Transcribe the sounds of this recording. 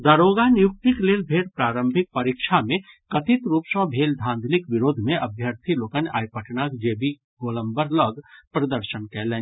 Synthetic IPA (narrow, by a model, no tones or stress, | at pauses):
d̪ɐɾoːɡanɪjʊk̚t̪ɪkleːlbʱeːɽpɾaːɾə̃mbʱɪk̚pɐɾikʃʰamẽ | kɐt̪ɪt̪ɾuːpʃɔ̃ːbʱeːld̪ʱãːnd̪ʱlɪkʋɪɾoːd̪ʱmẽʔɐbʱjəɾt̪ʰiloːkəna̰ːjpəʈʰnaːkd͡ʒeːbi | ɡoːlə̃mbəɾləɡpɾɐd̪əɾʃənkɛlẽː